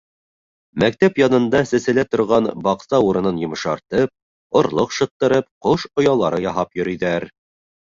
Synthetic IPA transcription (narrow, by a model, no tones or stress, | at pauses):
mæk̚t̪æpjɑnɤ̆nd̪ɑsɘ̆sɘ̆læt̪ŏɾʁɑnbɑqsɑuɾɤ̆nɤnjŏmɤ̆ʃɑɾt̪ɤp̚ | ŏɾlˠoqʃɤ̆t̪ːɤ̆ɾɤp̚qoʃŏjɑlˠɑɾɤjɑɦɑpjɵ̆ɾijðæɾ